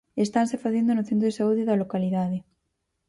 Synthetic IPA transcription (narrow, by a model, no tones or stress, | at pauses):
est̪ansefaθend̪onʊθent̪ɾoesauðeðalokaliðaðe